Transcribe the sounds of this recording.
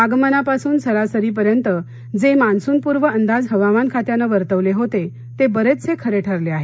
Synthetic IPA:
aɡmənapasuːnsəɾasəɾiːp̬əɾjənt̪ə | d͡zemansuːnpuɾʋəənd̪ad͡zɦəʋamankʰat̪janəʋəɾt̪əʋleɦot̪e | t̪ebəɾet͡st͡sʰekʰəɾeʈʰəɾleaɦe

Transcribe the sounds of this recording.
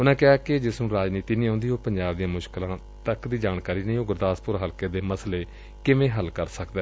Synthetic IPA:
ʊnãːkɪaːkɪd͡ʒɪsnũːɾaːd͡ʒniːt̪iːnĩːõːnd̪iːɦoːpəɲd͡ʒaːbd̪ijãːmʊʃklãː | t̪əkd̪iːd͡ʒaːnkaːɾiːnəĩːʊɡəɾd̪aːspʊɾɦəlkeːd̪eːməsleː | kɪʋẽːɦəlkəɾsəkd̪ɛː

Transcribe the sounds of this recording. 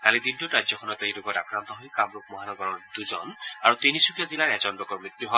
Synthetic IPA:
kalid̪intʊtɹajzɔxʰɔnɔtejlukɔtakɹant̪ɔɦojkamɹuk̚mɔɦanɔɡɔɹɔɹd̪̥uzɔna̰ɹut̪inisukazilaɹɛzɔndɔkɔɹmɹit̪ːuɦɔ

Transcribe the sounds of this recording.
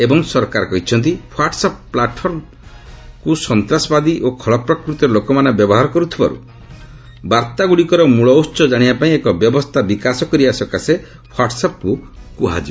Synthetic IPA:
ebɔŋsɔɾkaɾɔkɔɦit͡ʃʰɔnt̪ipʰwaɾʈsapplaʈpʰɔɾm | kusɔnt̪ɾasɔbad̪iʔokʰɔɭɔpɾɔkɾut̪ɔɔlokɔmanebjɔbɔɦaɾɔkɔɾut̪ʰiba̰ɾṵ | baɾt̪aɡuɽikɔɾɔmuɭɔwst͡ʃɔd͡ʒaɽ̃ibapaĩekɔbjɔbɔst̪ʰabikasɔkɔɾibasɔkase | pʰaʈɔsap̚kukuɦa̰d͡ʒi

